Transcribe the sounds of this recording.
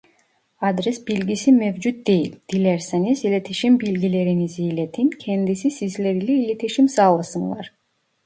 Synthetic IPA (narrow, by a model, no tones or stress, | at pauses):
ad̪ɾesbilɡʲisimevd͡ʒut̪̚d̪ejild̪̥ilʲeɾsenizilʲet̪ʰiʃimbilɡʲileɾinizijlet̪ʰinkʲʰend̪isisizleɾileilʲet̪ʰiʃimsɑlˠɑsɯŋlˠɑ̰ɾ